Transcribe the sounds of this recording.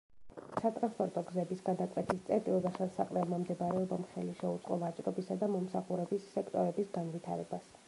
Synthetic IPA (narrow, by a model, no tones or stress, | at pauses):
sat̪ʼɾanspʰʼɔɾt̪ʼɔɡzɛbisɡad̪akʼwɛt̪ʰist̪sʼɛɾt̪ʼilˠd̪asasa̰qʼlɛmamd̪ɛbaɾɛɔbamχɛliʃɛut̪sʼqʼɔvat͡ʃʼɾɔbisad̪amɔmsaχuɾɛbisːɛkʰt̪ʼɔɾɛbisɡanvit̪ʰaɾɛbas